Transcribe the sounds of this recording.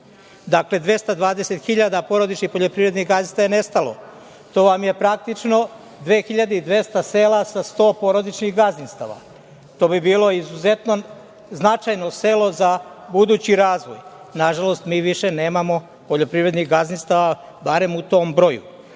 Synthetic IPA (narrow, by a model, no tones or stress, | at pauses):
d̪akle̞d̪ʋe̞st̪ad̪ʋaːd̪eset̪xiʎad̪apo̞ɾo̞d̪it͡ʃnixpo̞ʎo̞pɾiʋɾe̞d̪niɣɡazist̪ajene̞st̪alo̞̰ | t̪o̞ːʋamje̞pɾak̚t̪it͡ʃno̞ | d̪ʋeːxiʎad̪eid̪ʋe̞st̪ase̞ːlasast̪o̞ːpo̞ɾod̪it͡ʃniɣɡazninst̪a̰ʋa̰ | t̪o̞ːbibiːlˠo̞izuze̞t̪no | znat͡ʃajno̞se̞lo̞zabud̪uːt͡ɕiɾaːzʋo̰j | naʒalost̪miːʋiʃe̞ne̞ːmamo̞ | poʎo̞pɾiʋɾe̞d̪niɣɡazninst̪aʋa | baɾe̞mut̪o̞mbɾo̞jṵ